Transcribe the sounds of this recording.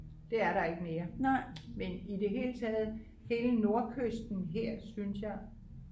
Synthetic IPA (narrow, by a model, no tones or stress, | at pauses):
d̥e̝æɐɾɑ̈e̝ɡ̥əmeːɐnɑɪ̰menide̝ɦe̝ːlət͡sʰɛːð̞̩ˠ | he̝ːləno̝ɐkʰøsd̥n̩ɦeɐ̰synsjɑ̈ɪ